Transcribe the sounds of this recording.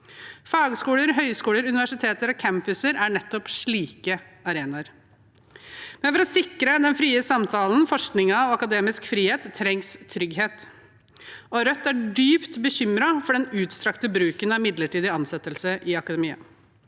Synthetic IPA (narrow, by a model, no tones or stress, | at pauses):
fɑːɡskuːləɾɦœʏskuːləɾʉnɪʋæʂɪt̪ʰeːt̪əɾɔkʰæmpʉsəɾæɳɛt̪ːɔpʂɭiːkəɑɾeːnɑɾ | mɛnfɔɾɔsɪkɾəd̪ɛnfɾiːəsɑmt̪ʰɑːln̩fɔʂknɪŋɑʋɑkɑd̪eːmɪskfɾiːheːt̪ʰːɾɛŋst̪ʰɾʏɡɦeːt̪ | ɔɾœt̪ːæɖyːpt̪bəɕʏmɾɑfɔɖɛnʉːt̪st̪ɾɑkt̪əbɾʉːkənɑɪmɪd̪ləʈiːd̪ɪɑnsɛt̪ːəlsəʔɪɑkɑd̪ɛmiːə̰n